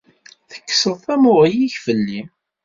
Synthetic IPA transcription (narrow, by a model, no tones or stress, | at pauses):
θə̥kːsəðˤθæmʊʁijiçfəlːi